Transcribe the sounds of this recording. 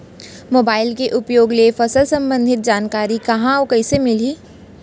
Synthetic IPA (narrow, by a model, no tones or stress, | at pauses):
moːbaːɪlkeʔʊpjoːɡlefɐsəlsɐ̃mbə̃nd̪ʱɪt̪̚d͡ʒaːnkaːɾikɐɦãɔkɐsemɪliː